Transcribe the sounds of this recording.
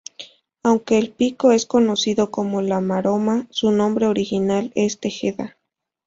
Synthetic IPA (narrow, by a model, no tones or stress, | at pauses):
awŋke̞ːlpikoe̞sko̞nosiðokomolamaɾomasunõ̞mbɾe̞oɾixinalest̪exeða